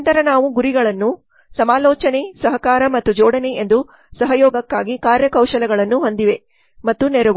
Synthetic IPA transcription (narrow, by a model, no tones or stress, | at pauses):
nt̪ɐɾɐnaːʋuɡuɾiɡɐɭɐnːu | sɐmaːlɔːt͡ʃɐne̞sɐɦɐkaːɾɐmɐt̪ːud͡ʒɔːɽɐne̞ʔend̪u | sɐɦɐjɔːɡɐkːaːɡikaːɾjɐkɐwʃɐlɛɡɐɭɐnːuɦo̞nd̪iʋe̞ | mɐt̪ːunɛɾɐ